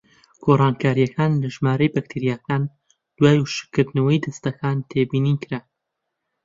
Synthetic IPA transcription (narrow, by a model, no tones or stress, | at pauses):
ɡ̥oːrˤɑːnkʰaːɾijɐkʰaːnlɐʒmaːɾɐjbɐk̚t̪ʰiɾijaːkaːn | d̪̥waːjʃkːɨɾd̪nɐwɐjd̪ɐst̪ɐkʰaːnt̪ʰeːbiːniːkɾa